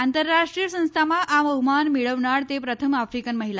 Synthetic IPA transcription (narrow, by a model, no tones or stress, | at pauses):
ant̪əɾːaʂʈɾiːjəsə̃w̃st̪ʰamaʔaməɦumanmiɭəʋɳaɽt̪epɾət̪ʰəmafɾikənməɦila